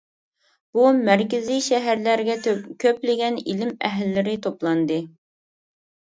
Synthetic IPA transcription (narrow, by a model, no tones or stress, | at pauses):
b̥umæɾkʲɪziʃɛɦæɾlæɾɡʲɛkʲʰøplɪɡʲɛnilɪmæɦlːɪɾɪt̪ʰoplˠɑnd̪ɨ